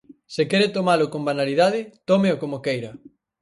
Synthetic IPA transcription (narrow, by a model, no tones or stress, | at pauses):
sɪkɛɾet̪omalʊkõmbanaliðaðɪt̪omeokomokejɾɐ